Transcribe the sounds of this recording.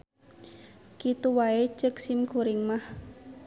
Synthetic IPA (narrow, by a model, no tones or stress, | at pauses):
kit̪uwae̥ʒ̥əksimkuɾɪŋmah